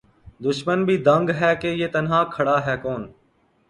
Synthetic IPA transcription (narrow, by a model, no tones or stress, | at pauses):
d̪ʊʃmənbʱiːd̪əŋɡɦɛːkeːjeːt̪ənɦãːkʰəɽaːɦɛːkoːn